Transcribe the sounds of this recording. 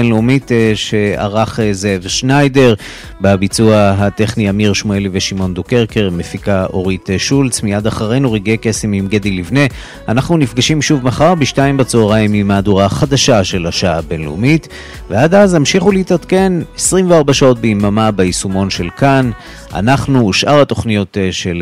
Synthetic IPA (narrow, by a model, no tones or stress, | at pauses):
enleumit̪ʃea̰ʁaχezevʃnajde̞ʁ | babit͡suaɦat̪e̞χniamiʁʃmueliveʃimo̞nd̪uke̞ʁkeʁme̞fikaʔo̞ʁit̪ʃult͡smijad̪aχaʁe̞jnuʁiɡeke̞semimɡed̪ilivne̞ | anaχnunifɡaʃimʃuvmaχaʁbiʃtaimbat͡soːʁaimimaːduʁaχad̪aʃaʃe̞laʃaabe̞nlṵmit̪ | vead̪azhamʃiχuleitat̪ke̞nesʁimveaʁbaʃao̞t̪̚beimamabeisumo̞nʃe̞lkan | ʔa̰naχnuʃʔaʁhat̪o̞χnijo̞t̪ʃel